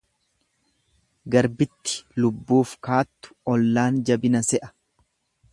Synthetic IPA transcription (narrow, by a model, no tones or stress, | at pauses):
ɡɐɾbɪt̪ːɪ̥lʊbːuːfkaːt̪ːʊ̥ɔlːaːnd͡ʒɐbɪnɐsɛʔɐ̥